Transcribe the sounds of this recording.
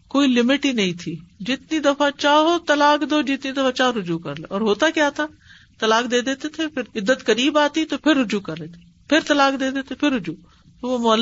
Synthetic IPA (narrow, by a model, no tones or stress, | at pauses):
koːilɪmɪʈinɐĩt̪ʰiːd͡ʒɪt̪nid̪ɐfat͡ʃaːɦot̪ɐlaːkd̪oːd͡ʒɪt̪nid̪ɐfat͡ʃaːɦoɾʊd͡ʒuːkɐɾleɔːɾɦoːt̪akjaːt̪ʰaː | t̪ɐlaːk̚d̪eːd̪eːt̪et̪ʰepʰɪɾɪd̪ːət̪kəɾiːbaːt̪it̪opʰɪɾːʊd͡ʒuːkɐɾleːt̪ʰe̥ | pʰɪɾt̪ɐlaːkd̪eːd̪eːt̪ʰepʰɪɾːʊd͡ʒuː | t̪oomɔl